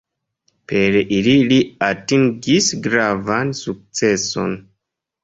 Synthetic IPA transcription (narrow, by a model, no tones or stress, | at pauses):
pe̞ɾʔililiatiŋɡisɡɾavansuk̚t͡se̞so̞̰n